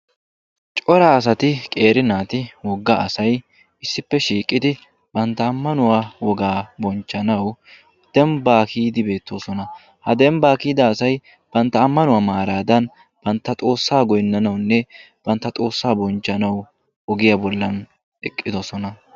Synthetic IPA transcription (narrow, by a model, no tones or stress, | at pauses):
t͡ʃʼɔɾaːs̬ɐt̪ɪkʼe̞ːɾɪnaːt̪ɪwɔɡːɐʔɐsɐj | ɪsːɪpːɛʃiːkʼːɪd̪ɪ | b̥ɐnt̪ːɐːmːɐnʊwawɔɡaːbɔnt͡ʃːɐnɐw | d̪̥ɛmbaːkiːd̪ɪbe̞ːt̪ːo̞ːsɔnɐ | hɐd̪ɛmbaːkiːd̪ɐːsɐj | b̥ɐnt̪ːɐːmːɐnʊwaːmaːɾaːd̪ɐn | b̥ɐnt̪ːɐt̪ʼo̞ːsːaːɡɔjnːɐnɐwnːɛ | b̥ɐnt̪ːɐt̪ʼo̞ːsːaːbɔnt͡ʃːɐnɐw | ɔɡɪjɐbɔlːɐn | ɛkʼːɪd̪ɔsɔnɐ